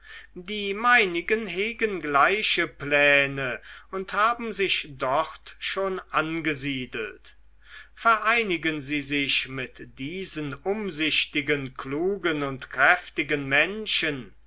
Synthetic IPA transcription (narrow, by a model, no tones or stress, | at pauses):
diːmaɪnɪɡənɦeːɡənɡlaɪʃəplɛːnəʊnthaːbm̩zɪçd̥ɔʁtʃoːnʔanɡəziːdl̩t | fɛɐʔaɪnɪɡənziːzɪçmɪtd̥iːzənʔʊmzɪʃtɪɡənkluːɡənʊntkʁ̥ɛftɪɡənmɛnʃən